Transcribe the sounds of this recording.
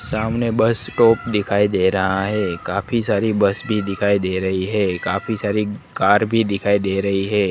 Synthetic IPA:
samnebəsʈɔːpd̪ɪkʰaːid̪eɾəɦaɦɛkafʰisaːɾibəsbʱid̪ɪkʰaːid̪eɾəɦiɦɛkafisaːɾikaːɾbʱid̪ɪkʰaːid̪eɾəɦiɦɛ

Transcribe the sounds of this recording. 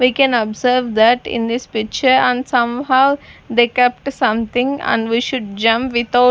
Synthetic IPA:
ʋikɛ̃nɔbzəɾʋd̪æʈɪ̰̃nd̪ispɪk̚t͡ʃəɾə̃nsʌ̃mhaʊd̪ekɛp̚ʈsʌ̃mt̪ɪ̃ŋə̰̃nɖʋiʃʊɖ̚d͡ʒʌ̃mpʋɪt̪ʰa

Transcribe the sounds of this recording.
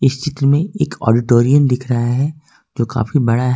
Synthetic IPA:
ɪst͡ʃɪt̪ɾəmẽeːkɔ̰ːɖɪʈoːɾijəmd̪ɪkʰɾɐɦaɦɛ | d͡ʒoːka̰ːfibɐɽaɦ

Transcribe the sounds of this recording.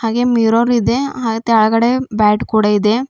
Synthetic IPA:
haːɡemiɾoɾid̪eɦaːɡet̪ɛɐɭɐɡɐɽebaːʈkuːɽaid̪e

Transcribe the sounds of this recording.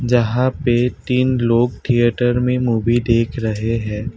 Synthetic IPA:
d͡ʒɐɦãpet̪iːnloːɡt̪ʰijəʈəɾmẽmuːʋid̪eːkʰɾɐɦeɦɛ̃ː

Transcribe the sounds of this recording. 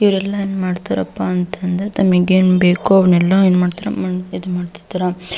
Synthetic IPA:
iʋɾɛlːɐenːmaːɖt̪aɾɐpːaːnt̪ʰɐnd̪ɐɾet̪ɐmɐɡeːnubeːkuɐʋɳɛlːɐeːnmaːɖt̪iɾɐ̰mɐid̪umaːɖt̪i̥d̪iɾa

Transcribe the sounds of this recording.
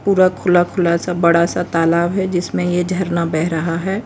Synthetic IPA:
puːɾakʰʊlakʰʊlaːsabɐɽasat̪aːlaːbɦɛd͡ʒɪsmẽjed͡ʒʱɐɾnabɛɦɾɐɦaɦɛː

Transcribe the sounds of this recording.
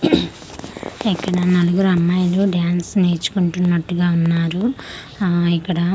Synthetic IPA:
ikːɐɽɐnɐluɡuɾɐmːaːjɐluɖjaːnsneːt͡ʃu̥kuɳʈunːɐʈːuɡaːunːaːɾu | ikːɐɽɐ

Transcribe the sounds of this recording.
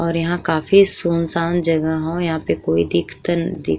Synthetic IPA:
ɔːɾjɐɦãkaːfisuːnsaːnd͡ʒɐɡəɦɦõjɐɦãpekoːid̪ɪkʰt̪ənd̪ɪ

